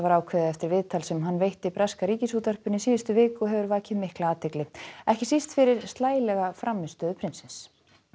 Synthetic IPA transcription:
vaɾaːwkʰvɛːðɛft̪ɪɾvɪðt̪ʰalsɛmɦanːvejht̪ɪipɾaskaɾiːcɪsuːt̪œr̥pʏnisiːðʏst̪ʏvɪːkʏɔɦɛvʏɾvaːcɪðmɪhklaaːt̪ʰeklɪɛhcɪsist̪fɪɾɪɾ̥st̪laːjlɛɣafɾamːɪst̪œːðʏpʰɾɪnsɪns

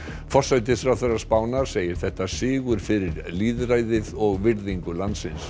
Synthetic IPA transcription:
fɔ̥sajt̪̬ɪfɾawθɛɾḁspaːwnaɾ̥seːjɪɾ̥θɛht̪asɪːɣʏɾ̥fɪɾɪɾ | liːðraːjðɪðɔɣvɪɾðiŋkʏlant̪sɪns

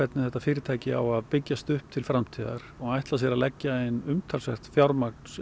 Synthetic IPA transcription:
ɛt̪nɪθɛt̪ːafɪːɾɪt̪ʰaːjcɪa̰waðpɪcːast̪ʏhp̚t̪ʰɪlfɾamt̪ʰiːða̰ɾ̥ɔɣajht̪las̬ɛːɾalɛcːaenʏmt̪ʰalsɛxt̪fjawɾmak̚ns

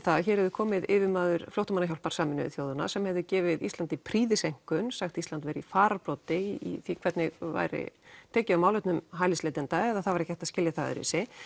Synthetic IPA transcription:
θaðçɛɾɛvðʏkʰɔːmɪðɪvɪmaːðʏɾfloht̪ʏmanaçawlpaɾ̥saːmɪnʏ̰ɪ̰θjoːwðʏna̰sɛmhɛvðʏcɛːvɪðḭst̪ant̪ipʰɾiːðɪsejŋ̥kʏnsaxt̪ist̪lant̪vɛːɾifaːɾapɾɔwt̪ɪiθikʰvɛt̪nɪɣva̰jɾɪ̰t̪ʰɛːcɪawmaːwlœt̪nʏmɦajlɪsleːt̪ɪnt̪aɛðaθavaɾɛhçchɛht̪aðscɪljaθaðɪ̰ɾɪ̰sɪ

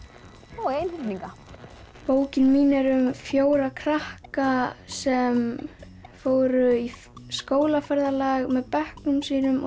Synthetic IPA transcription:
ɔɣejnhɪt̪niŋka | poːwcɪnmiːnɛɾʏmfjoːwɾakʰɾahkasɛm | foːwɾʏi | skoːwlafɛɾðalaɣmɛðpɛhknʏmsiːnʏm

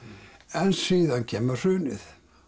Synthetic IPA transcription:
ɛnsiːðancʰɛːmar̥ʏːnɪ̰θ

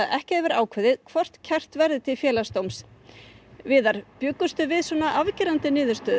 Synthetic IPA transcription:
aðɛhcɪɛvɪɾaːwkʰvɛðɪðkʰv̥ɔr̥t̪cʰɛr̥t̪vɛɾðɪt̪ʰɪlfjɛːlast̪owms | vɪːðaɾ̥pjʏːkʏst̪ʏvɪðsɔnaʔavcɪɾant̪ɪnɪːðʏɾst̪œːð

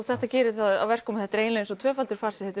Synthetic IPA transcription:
θɛht̪acɛːɾɪθaða̰vɛr̥kkɔmθɛht̪ːɾeːjnɪnsɔt̪ʰvœːfalt̪ʏɾ̥faːɾ̥sɛ̥θɛt̪ː

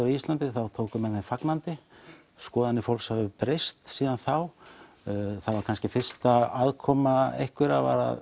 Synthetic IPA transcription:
ʏɾʏist̪lant̪ɪθawt̪ʰoːwkʏmɛðθemfaknant̪ɪ | skɔːðanːɪfowlkshavʏpɾejst̪siːðanθaw | θavaɾkʰanscɪfɪr̥st̪aaðkʰɔmaḛjhkvɪɾava̰ɾa̰ð

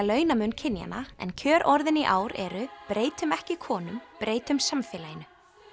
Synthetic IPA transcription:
lœːɥnamʏncʰɪnja̰naɛ̰ncʰœːɾʔɔɾðɪniʔaːwɾɛ̰ɾʏpɾeːjt̪ʏmɛhcɪkʰɔːnʏmpɾʔeːjt̪ʏmsamfɛːlajɪnʏ

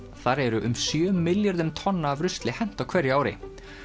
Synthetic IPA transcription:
θaɾɛɾʏʔʏmsjœːmɪljaɾðʏmt̪ʰɔnːaːvɾʏst̪lɪhɛn̥t̪awkʰvɛɾjaːwɾɪ̰

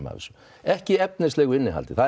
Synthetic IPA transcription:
ma̰ðɪ̰sɔ | ɛhcɪɛpnɪslɛːɣʏɪnːɪɦa̰lt̪ɪθa

